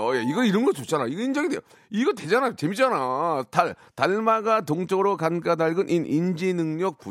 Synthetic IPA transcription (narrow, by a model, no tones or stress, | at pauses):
ʌjaiɡʌiɾʌnɡʌt͡ɕot͡ɕanaiɡʌind͡ʑʌŋidejo | iɡʌt̬e̞d͡ʑanajot͡ɕe̞mit͡ɕ͈anataɭtaɭmaɡatoŋt͡ɕ͈ʰʌɾokank͈adaɭɡɯnʔinind͡ʑinɯŋɲʌk̚p͈u